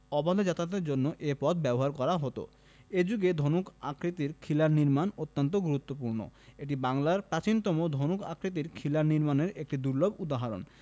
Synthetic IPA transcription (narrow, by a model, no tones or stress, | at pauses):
ɔbad̪ʱad͡ʑat̪ad̪eɾd͡ʑonːoʔepɔd̪ʰbɛboɦaɾkɔɾaɦot̪o̰ | ed͡ʑuɡed̪ʱonuka̰kɾit̪iɾkʰilaɾniɾmanot̪ːant̪̬oɡuɾut̪ːopuɾno̰eʈ̬ibaŋlaɾpɾat͡ɕint̪ɔmod̪ʱonuka̰kɾit̪̬iɾkʰilaɾniɾmaneɾek̚ʈid̪uɾlobud̪aɦaɾo̰n